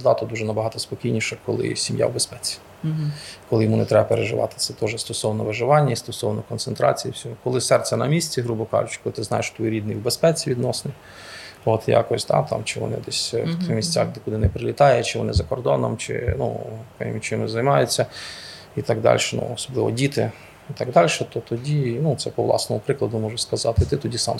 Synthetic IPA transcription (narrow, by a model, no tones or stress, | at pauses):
d̪ɑt̪ɔd̪uʒɛnɐbɐɦɑt̪ɔspɔkʲijnʲiʃɛkɔlˠɪ̰sʲimja̰wbespɛt͡sʲi̥ | kɔlɪjɔmunɛt̪ɾɛbɐpeɾeʒɪ̰ʋɑ̰t̪ɪ̥t̪sɛt̪ɔʒɛst̪ɔsɔwnɔʋɪʒɪʋɑnʲːɐist̪ɔsɔwnɔkɔnt̪sent̪ɾɑ̰t͡sʲijiwsʲɔɦɔkɔlˠɪsɛrʲsʲɛnɐmʲisʲt͡sʲiɦɾubɔkɑ̰ʒʊt͡ʃkɔlˠɪt̪ɪznɑ̰jeʃt̪ʋɔjɾʲid̪nɪjwbespɛt͡sʲiʋʲid̪nɔsnɪj | ot̪ja̰kɔsʲd̪ɑ̰t̪ɑ̰mt͡ʃɪʋɔ̰nɪ̰d̪ɛsʲt̪mʲisʲt͡sʲaxd̪ɛkʊd̪ɪnɛpɾɪlʲit̪ɑjɛt͡ʃɪʋɔ̰nɪ̰zɐkɔrd̪ɔnɔ̰mt͡ʃɪ̰nṵkɪ̰mʲit͡ʃɪmɪzɐjmɑjʊt͡sʲːɐ | it̪ɑɡd̪ɑ̰lʲʃɛnṵɔsɔblˠɪʋɔ̰dʲit̪ɪ | it̪ɑɡd̪ɑlʲʃɛt̪ɔt̪ɔdʲinut̪sɛpɔʋlˠɑ̰snɔmʊpɾɪklˠɐd̪ʊmɔʒʊskɐzɑt̪ɪt̪ɪt̪ɔdʲisɑ̰m